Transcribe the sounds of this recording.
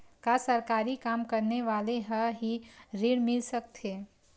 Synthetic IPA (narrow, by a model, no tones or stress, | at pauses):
kasəɾkaːɾikaːmkəɾneʋaːleɦəɦiɾiːɽmɪlsək̚t̪ʰeː